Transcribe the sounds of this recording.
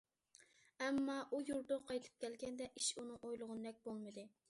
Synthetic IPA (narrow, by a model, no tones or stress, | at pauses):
ɛmːɑʔujuɾd̪ʊqʰɑjt̪ʰɨ̥p̚kʲʰɛlɡʲɛnd̪ɛʔiʃunɨŋojlˠʊʁʊnɨd̪ɛk̚ʲbolˠmɨd̪ɨ